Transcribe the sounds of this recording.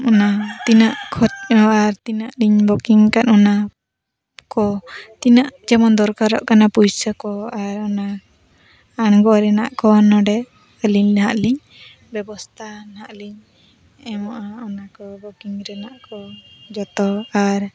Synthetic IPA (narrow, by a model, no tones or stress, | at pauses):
ɔnat̪inaʔkʰɔt̚ɔaɾt̪inaʔliɲbɔkiŋkat̪ɔna | kɔt̪inaʔd͡ʒɛmɔnd̪ɔɾkaɾɔʔkanapujsəkɔaɾɔna | aɳɡɔʔɾɛnaʔkɔnɔɖɛ | əliɲɦaʔliɲ | bɛbɔst̪ʰanhaʔliɲ | ɛmɔʔaɔnakɔbɔkiŋɾɛnaʔkɔd͡ʒɔt̪ɔaɾ